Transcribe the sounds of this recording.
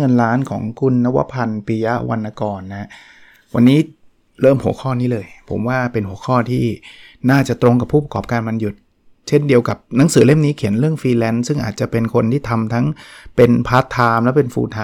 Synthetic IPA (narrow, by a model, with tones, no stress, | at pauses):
ŋɤ˧nɾaː˦˥nkʰɔ̰ː˩˦ŋkʰu˧nːa˦˥wa̰˦˥pʰa˧npiː˧ja˦˥wa˧nʔa˧kɔː˨˩nːa˦˥ | wʔa̰˧nːiː˦˥ | ɾɤː˥˩mhu˩˦əxʰɔː˥˩niː˦˥lɤː˧jpʰo̰˩˦mwaː˥˩pe˧nhu˩˦əkʰɔː˥˩t̪ʰiː˥˩ | naː˥˩t͡ɕa˨˩t̪ɾo˧ŋka˨˩pʰːuː˥˩p̬a˧kɔː˨˩p̚kaː˧nma˧nju˨˩t̪̚ | t͡ɕʰe˥˩ndi˧əwka˨˩p̚na˩˦ŋsɯː˩˦le˥˩mniː˦˥kʰi˨˩˦nɾɯ˥˩əŋfiː˧lɛ˧˥nsɯ˥˩ŋʔa̰ː˨˩t̪̚t͡ɕa˨˩pe˧nkʰo˧nt̪ʰiː˥˩t̪ʰa˧mt̪ʰa˦˥ŋpe˧npʰaː˦˥t̪ʰːaː˧mlɛː˦˥wpe˧nfṵː˧t̪ʰaː˧